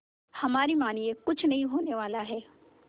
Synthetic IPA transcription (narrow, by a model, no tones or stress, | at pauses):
hɐmaːɾimaːniẽkʊt͡ʃʰnɐɦĩɦoːneʋaːlaɦɛː